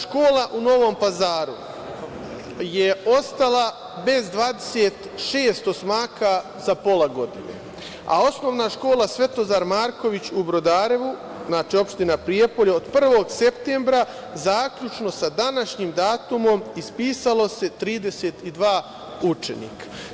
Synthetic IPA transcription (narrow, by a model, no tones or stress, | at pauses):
ʃko̞ːlˠaʔuno̞ʋo̞mpazaːɾu | je̞o̞st̪ala | be̞zd̪ʋaːd̪e̥set̪ʃeːst̪o̞smaːka | zapo̞laɡo̞d̪ḭnḛ | a̰o̞sno̞ːʋnaʃko̞ːlˠasʋe̞t̪o̞zaɾmaːɾko̞ʋit͡ɕubɾo̞d̪aːɾe̞ʋu | znaːt͡ʃio̞pʃt̪inapɾijepoʎaod̪pr̩ʋo̞ɡse̞pt̪e̞ːmbɾa | zaːkʎut͡ʃno̞sad̪anaʃɲimd̪aːt̪umo̞mispiːsalo̞se̞t̪ɾiːd̪e̞seːt̪id̪ʋaː | ut͡ʃe̞̰nḭːkḁ